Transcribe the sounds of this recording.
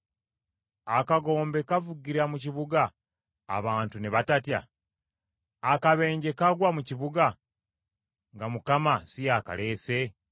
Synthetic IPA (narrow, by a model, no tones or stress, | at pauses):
akaɡo̞ːmbe̞kavuɡiɾamuciβuɡa̰ː | βaːntuneβatatja̰ | kaβe̞ːɲɟe̞kaɡwamuciβuɡa | ŋɡamukamasijaka̰le̞ːse̞